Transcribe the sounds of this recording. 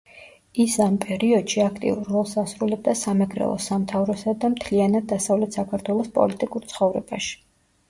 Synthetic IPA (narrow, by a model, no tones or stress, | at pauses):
isampʼɛɾiɔd̪̥ʃiakʰt̪ʼḭuɾːɔlˠsasɾulɛb̚d̪asamɛɡɾɛ̰lˠɔ̰samt̪ʰavɾɔsad̪amt̪ʰlianad̪̚d̪asavlɛt̪ʰsakʰaɾt̪ʰwɛlˠɔspʼɔ̰lit̪ʼikʼuɾt̪sʰχɔvɾɛbaʃi̥